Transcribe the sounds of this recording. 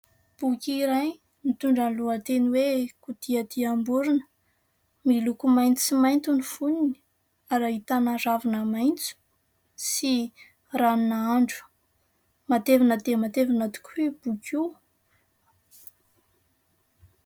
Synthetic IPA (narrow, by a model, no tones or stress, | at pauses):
b̥ukʲiɾaj | mit̪uɳɖ͡ʐanluət̪eniwekud̪̥iad̪iambuɾinə̥ | milukumajnt͡simajnt̪unifunini̥ | aɾait̪anaɾavinəmajnt͡su̥ | si | ranunaaɳɖ͡ʐu̥ | mat̪evanəd̪emat̪evanat̪u̥kʲʰib̥ukʲiu